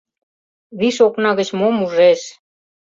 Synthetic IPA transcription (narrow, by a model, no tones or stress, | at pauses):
βiʃoknɑɣə̆t͡ɕmomuʒeʃ